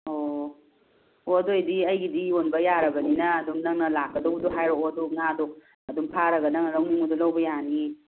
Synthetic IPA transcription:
o | odojdiɐjɡidionbɐjaɾɐɡɐninɐːdumnɐŋnɐlakːɐdɐwdoɦajɾoodonadok̚ | ɐdumpʰaɾɐɡɐnɐŋnɐɾɐŋnuŋudolawbɐjani

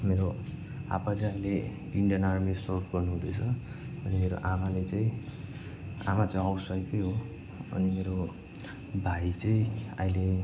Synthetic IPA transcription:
meɾo | a̰pad͡zanle | iɳɖijʌnarmesʌrkɡʌrnuɦũd̪ʌt͡sʰʌ | ʌnimeɾo̰ʔamalet͡sʌĩ | a̰mat͡sʌĩɦʌwsʌjkejɦo | ʌ̰nimeɾo | bʱait͡sʌĩa̰ĩle

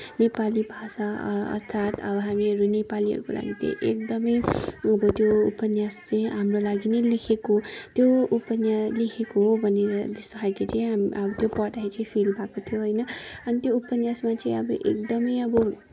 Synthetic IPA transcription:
nepalibʱasaʌ̰rt̪ʰat̪ʌ̰bʌɦamiʌɾunepaliɦʌ̰ɾuko̰lʔa̰ɡit̪ʌ̰̃ʔekd̪ʌmʌjʌbʌt̪joupʌnjast͡sʌ̃j̃ɦamrolaɡinʌjlekʰekot̪joupʌnjaslekʰekoɦobʱʌneɾʌd̪est̪ʌkʰajkit͡sʌĩɦamʌbʌt̪jopʌʈaet͡sʌj̃pʰilbʱakot̪ʰijoɦʌjnʌʌnit̪joupʌnjasmat͡sʌ̃ĩʌbʌʔḛkd̪ʌmʌjʌbʌ

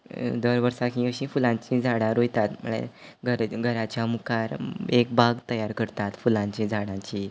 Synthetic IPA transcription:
d̪əɾʋəɾsakĩəɕĩfulãɲt͡ɕĩd͡zʱaɽãɾojt̪at̪mə̰ɽ̃ḛɡʱəɾɡʱəɾat͡ɕjamukaɾek̚baɡt̪əjaɾkəɾt̪at̪fulãɲt͡ɕĩd͡zʱaɽãt͡ɕi

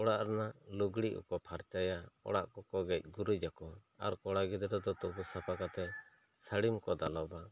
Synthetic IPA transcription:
ɔɽaʔɾnaluɡɽiʔɔ̰kɔpʰaɾt͡ʃajaɔ̰ɽaʔkɔkɔɡɛc̚ˀɡuɾud͡ʒakɔ | a̰ɾkɔɽaɡid̪ɾɔd̪ɔt̪ubusapʰakat̪ɛ | səɽimkɔd̪alɔba

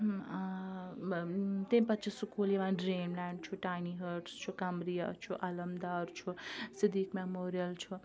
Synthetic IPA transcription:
t̪ẽnpɐt͡ʃʰisukuleʋãɖɾenlaɳɖt͡ʃʰuʈajniɦəɾʈst͡ʃʰukamɾija̰t͡ʃʰuʔɐlɐmd̪aɾt͡ʃʰusid̪ʱikmemoɾijəlt͡ʃʰu

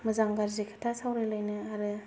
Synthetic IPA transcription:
mɯzaŋɡaɾzikʰɯ̥tʰasawɾajlajnɯaɾɯ

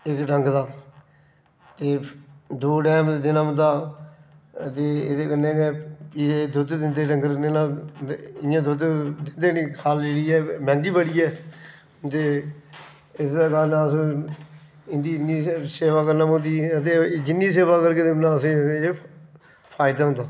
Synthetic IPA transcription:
ɪkɖəŋɡd̪aː | t̪eːd̪oːɖɛːmd̪ɪnaːmd̪aː | t̪eːḛːd̪eːkənːẽːɡeːiːeːd̪ʊd̪d̪ɪnd̪eːɖəŋɡɾnenãː | ɪjãːd̪ʊd̪d̪ɪnd̪eːnĩːkʰaːlːeːɽiːɛːmɛ̃ːŋɡiːbəɽiːɛː | t̪eː | ɪsd̪aːkaːnãːs | ɪnd̪iːniːseːʋaːkəɾnamə̃nd̪iːət̪eːd͡ʒɪnːiːs̬eːʋaːkəɾkeːd̪ɪmnãːəsĩːe | pʰaːɪd̪aə̃d̪aː

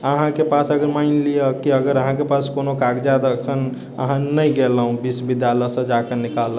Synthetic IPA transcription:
əɦãkepasəɡəɾmaɪnliəkiəɡəɾəɦãkepaskonokaɡd͡ʒad̪əkʰən | ə̰ɦãnəjɡeləɦũbisbid̪jaləsə̃d͡ʒakənikalə

